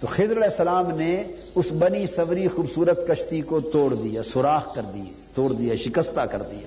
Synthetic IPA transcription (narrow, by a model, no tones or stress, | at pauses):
t̪oxɪzɾɐlɛːsːɐlaːmne | ʊsbɐnisɐʋɾixuːbsuːɾət̪kɐʃt̪ikot̪oːɽd̪ijaːsʊɾaːxkɐɾd̪i | t̪oːɽd̪ijaʃɪkəst̪akɐɾd̪ija̰ː